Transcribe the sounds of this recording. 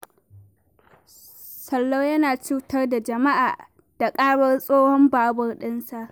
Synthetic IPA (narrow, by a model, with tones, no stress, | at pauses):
sɐ˨lːo˦wjɐ˦naː˨t͡ʃuː˦tɐ˦rda˨d͡ʒɐ˨ma˦ʔaː˨ | d̥a˨kʼaː˦ɽɐ˦rsʼoː˦hɔ˦mbaː˨˦bʊ˨rɗɪ˦nsa˨ʔ